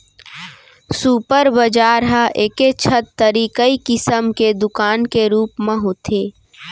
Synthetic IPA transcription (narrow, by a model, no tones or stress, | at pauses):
suːpəɾbəd͡ʒaːɾɦəʔeːket͡ʃʰət̪ːəɾiːkəikɪsəmked̪ʊkaːnkeɾuːpmə̃ɦot̪ʰeː